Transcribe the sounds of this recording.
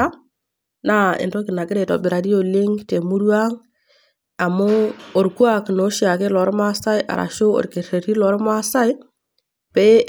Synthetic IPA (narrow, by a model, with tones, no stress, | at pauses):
a˦ | na˦ɪ̰˨nto˦ki˨na˨kɪ˦ɾe˨to̰˨bi˨ɾa˨di˦jo˨li˦ŋte˨mu˦ɾu˦a˦ŋ | a˨mo˦o˨ɾku˦a˨kno˨˦ʃi˦a˨kɪ˦lɔ˨˦ɾma˦sa˦i˦ʔa̰˨ɾʔa̰˨ʃo˦o̰˨ɾke˨ɾe˨ɾi˦lɔ˨˦ɾma˦sa˦i˦ | pe˦